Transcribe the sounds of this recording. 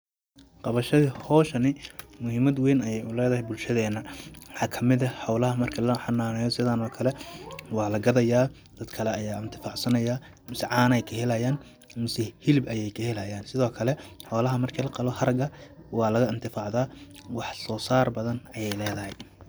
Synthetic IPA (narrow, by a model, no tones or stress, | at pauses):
qɑβɐʃɐðihɔːʃɐnɪmʊhɪmɐd̪wɛjnɐjɛjʊlɛːðɐɦɛjbʊlʃɐðɛːnːɐwħɑːkʰɐmɪðɐħɑwlɐɦɐmɐrkʰɐlɐħɑnaːnɛjɔsɪðaːnɔːkʰɐlɛwɑːlɐɡɐðɐjaː | d̪̥ɐd̪kʰɐlɛɐjaːɪnt̪ʰɪ̥faːʕsɐnɐjaː | mɪsʕɑːnɛjkʰɐɦɛlɐjaːn | mɪsɛhɪlɪbɐjɛjkʰɐhɛlɐjaːnsɪðɔːkʰɐlɛħɑwlɐɦɐmɐrkʰiːlɐqɑlɔhɐɾɐɡɐwɑːlɐɣɐɪnt̪ʰɪfaːʕðaːwɑħsɔːsaːrbɐðɐnɐjɛjlɛːðɐɦɛj